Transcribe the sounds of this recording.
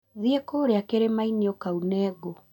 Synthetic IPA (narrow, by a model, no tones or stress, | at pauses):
ðiɛkoːɾeakeɾemainiɔkaunɛɡo